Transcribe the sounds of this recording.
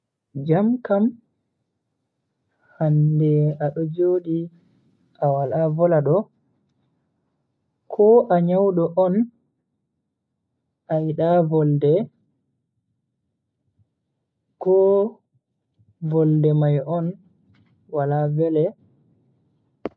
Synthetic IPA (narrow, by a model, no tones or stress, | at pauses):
d͡ʒamkam | handɛaɗɔd͡ʒoːɗi | awalavɔlaɗɔ | kʰɔʔaɲawɗɔʔɔn | ʔajiɗavɔldɛ | kɔ | vɔldɛmajʔɔn | walavɛlɛ